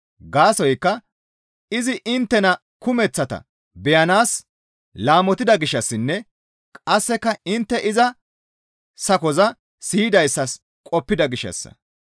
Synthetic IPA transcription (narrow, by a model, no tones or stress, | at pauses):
ɡaːsɔjkːɐ | ɪzɪʔɪnt̪ːɛnɐ | kʊmɛt͡sːɐt̪ɐ̰ | bɛjɐnaːs | laːmɔt̪ɪd̪ɐɡɪʃːɐsːɪnːɛ | kʼɐsːɛkːɐɪnt̪ːɛʔɪzɐ | sɐkɔzɐ | siːd̪ɐjsːɐs | kʼɔpːɪd̪ɐɡɪʃːɐ̰sːɐ̰